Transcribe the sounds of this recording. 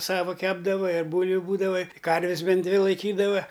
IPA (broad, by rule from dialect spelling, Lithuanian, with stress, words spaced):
ˈsɑːʋɐ ˈkʲæːbdɐʋɐ ɪr ˈbuːlʲʋʲʊ ˈbuːdɐʋɐ ˈkɐrʲʋʲɪs ˈbʲɛnt ˈdʲʋʲɪ lˠɐɪˈkʲiːdɐʋɐ